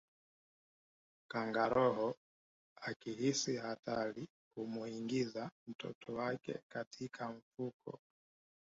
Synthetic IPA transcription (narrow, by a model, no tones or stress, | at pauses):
kaŋɡaɾɔhɔ | akiɦisihatʰali | kumuiŋɡizam̩tɔ̰tʰɔwakɛ̰katʰikʰaɱ̩fukʰɔ̰